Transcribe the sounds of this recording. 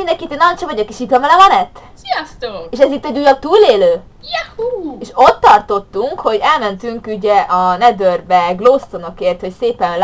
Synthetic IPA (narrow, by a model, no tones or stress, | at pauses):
mind̪ɛŋkit̪eːnːɒjont͡ʃɔvɒɟo̞keʃit̪ʋɒmɛlɛmɒnɛt̪ːsijɔst̪oːeːʃɛzit̪ːɛɟuːjɒt̪uːleːløː | jɛhueːʃo̞t̪ːɒrt̪o̞t̪ːuŋkho̞ɟɛlmɛnt̪yŋkyɟɛʔɒnɛd̪ørbɛɡloːst̪o̞no̞keːrt̪ho̞cseːpɛnl